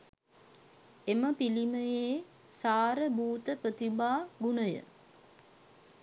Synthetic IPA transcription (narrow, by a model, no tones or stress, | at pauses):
eməpiliməjeː | saːɾəbuːt̪əpɾət̪ibaːɡunəjə̰